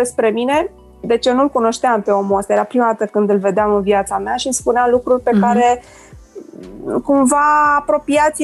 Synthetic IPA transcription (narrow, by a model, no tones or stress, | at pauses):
espɾe̞mine̞ | d̪e̞t͡ʃenulkuno̞ʃt̪eampe̞o̞muast̪ajeɾapɾimad̪at̪əkɨnd̪ɨlve̞d̪eamɨnviat̪sameaʃinspuneamlukɾurʲpe̞kaɾe̞ | kumvaːpɾo̞piat̪s